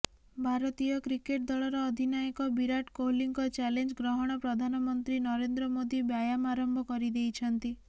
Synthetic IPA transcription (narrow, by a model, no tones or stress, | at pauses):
bʱaɾɔt̪ijɔkɾikeʈ̚d̪ɔɭɔɾɔːd̪ʱinajikɔbiɾaʈkoliŋkɔt͡ʃɛlend͡ʒɡɾɔɦɔɽ̃ɔpɾɔd̪ʱanɔmɔnt̪ɾinɔɾend̪ɾɔmod̪ibjajamaɾɔmbʱɔkɔɾid̪ejt͡ʃʰɔnt̪i